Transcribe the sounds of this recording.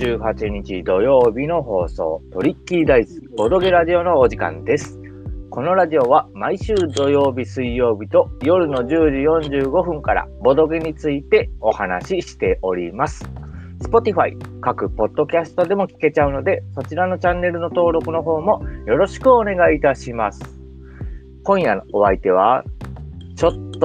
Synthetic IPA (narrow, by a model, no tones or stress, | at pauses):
d͡ʑɨːɦat͡ɕiɲ̟it͡ɕid̪o̞jo̞ːbʲino̞ɦo̞ːso̞̰ːt̪o̞ɾʲikʲːid̪aisɨ̥b̥o̞d̪o̞ɡe̞ɾaʑio̞no̞ːʑikã̰nd̪e̞sɨ̥ | ko̞no̞ɾaʑio̞βamaiɕɨːd̪o̞jo̞ːbʲisɨijo̞ːbʲit̪o̞jo̞ɾɯ̟no̞d͡ʑɨːʑijõ̞ɲd͡ʑɨːɡo̞ɸɯ̟̃ŋkaɾa̰bo̞d̪o̞ɡe̞ɲ̟it͡sɨit̪e̞o̞hana̰ɕiɕi̥t̪e̞ʔo̞ɾʲḭmasɨ̥ | sɨ̥po̞t̪ʲiɸaḭkakɯ̟po̞d̪̥ːo̞kʲasɨ̥t̪o̞d̪e̞mo̞kʲi̥ke̞t͡ɕaɯ̟no̞d̪e̞so̞t͡ɕiɾano̞t͡ɕãnːe̞ɾɯ̟no̞t̪o̞ːɾo̞kɯ̟no̞ɦo̞ːmojo̞ɾo̞ɕi̥kɯ̟one̞ɡait̪aɕimasɨ̥ | kõ̞ɰ̃jano̞βait̪e̞β̞a | t͡ɕo̞t̪ː